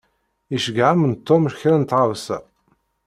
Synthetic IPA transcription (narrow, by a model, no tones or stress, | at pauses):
iʃəɡʕamənt̪ːomʃçɾænt̪ʁəvsæ̰